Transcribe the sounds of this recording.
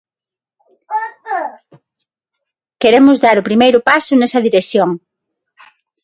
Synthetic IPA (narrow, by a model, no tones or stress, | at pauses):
keɾemʊzðaɾʊpɾimejɾʊpasʊnɛsɐðiɾekθjoŋ